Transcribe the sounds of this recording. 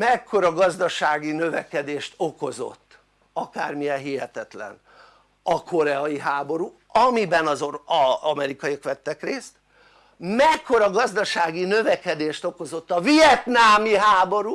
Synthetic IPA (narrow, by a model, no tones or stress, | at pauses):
mɛkʰːo̞ɾɒɡɒzd̪ɒʃaːɡinø̞vɛkɛd̪eːʃt̪o̞ko̞zo̞̰t̪ː | ɒka̰ːrmijɛnɦiɦɛt̪ɛt̪lɛ̰n | ɒkʰo̞ɾɛɒjiɦaːbo̞ɾu | ɒmibɛnɒzoɒɒmɛɾikɒjikʋɛt̪ːɛkreːst̪ | mɛkːo̞ɾɒɡɒzd̪ɒʃaːɡinøvɛkɛd̪eːʃt̪o̞ko̞zo̞t̪ːɒvijɛt̪naːmiɦaːbo̞ɾu